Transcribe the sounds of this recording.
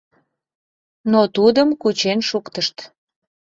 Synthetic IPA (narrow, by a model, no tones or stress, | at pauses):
not̪ud̪əmkut͡ɕenʃukt̪əʃt̪